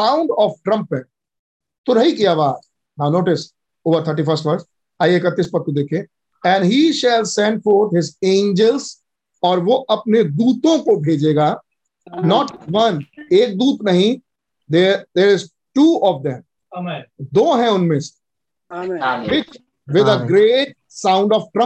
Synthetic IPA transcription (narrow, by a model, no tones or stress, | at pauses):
sãʊ̃ɳɖɔːfʈɾɐ̃mpːɛ̃ | t̪ʊɾɦikijaʋaː | naːʊnoːʈɪs | oːʋəɾt̪ʰəɾʈ̬ifəɾsʈʋɐɾs | aːjeːkət̪ːispɐɾt̪ũd̪eːkʰẽ | ɛ̃ɳɖɦiʃɛlsɛ̃ɳɖfoːɾt̪ɦɪzẽːnd͡ʒəlz | ɔːɾʋoʔɐp̚ned̪uːt̪õkobʱeːd͡ʒeːɡaː | nɔːʈʋɐ̃neːk̚d̪uːt̪nɐɦĩ | d̪ed̪eːɾɪz | ʈuːɔʋd̪ɛ̃m | d̪oːɦɛ̃ʊnmẽs | ɾɪt͡ʃ | ʋɪd̪əɡɾeːʈ̚ | sãʊ̃ɳɖɔfʈɾɐ̃